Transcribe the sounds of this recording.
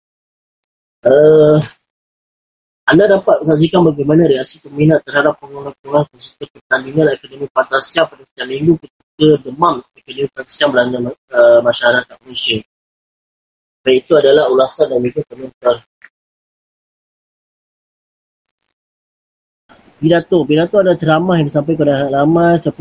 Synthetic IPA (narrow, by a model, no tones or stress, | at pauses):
ʔə | andadapat̪̚əsaks̬ikanbaɡajmanãɾiaksipəminaʔt̪ːərhadapːəŋunapuɾankəsəbət̪̚pərt̪andiŋãnɛkonomĩpat̪asiampadasə̥t̪iamiŋɡukət̪ikədəmamekonomipat̪ḁsiambəlanaəmaʃaaɾat̪amusən | bait̪uadalahulasandamiɡap̪əmənt̪ər | pidat̪opidat̪oadalaht͡ʃəɾamahjãŋdisampajkodaaʔlamajsap